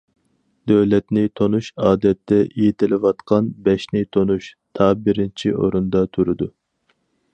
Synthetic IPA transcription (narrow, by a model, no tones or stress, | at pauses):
d̪̥øwlɛt̪nɪt̪ʰonuʃɑːd̪ɛt̪ːɛʔijit̪ʰɪlɪwɑt̪qʰɑnbɛʃnɪt̪ʰonuʃt̪ʰɑːbɪɾɪnt͡ʃʰiʔo̰ɾund̪ɑt̪ʰuɾɨd̪u